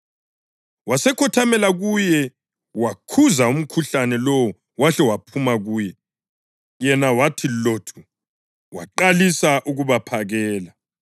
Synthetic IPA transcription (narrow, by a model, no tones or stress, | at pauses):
wasɛkʰɔtʰamɛlaɣujɛ | wakʰuzaum̩kʰuɬanɛlowɔ | waɬɛwapʰumaɣuːjɛ | jɛnawatʰilotʰu | waǃalisaʔuɣuβapʰaɣɛːla